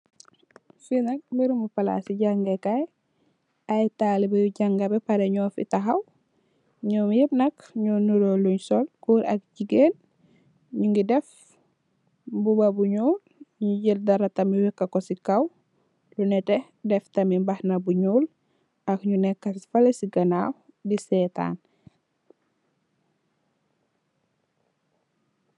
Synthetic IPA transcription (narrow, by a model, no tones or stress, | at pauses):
finɐk̚miɾumupala̰siɟaŋɡekaj | ajtaːlibejuɟaŋɡɐbepaɾeɲɔːfḭtaɦaw | ɲɔːmjib̚nɐkɲonuɾoluɲsolkuːɾɐ̰k̚ɟiɡeːn | ɲuŋɡidɛf | bubabuɲuːlɲuɟildɐɾɐtɐmiwɛkːɐkosikɐw | lunɛtɛ | dɛftɐmimbahnɐbuɲuːl | ɐkɲunɛkːɐsfɐlesiɡɐnaw | disɛta̰ːn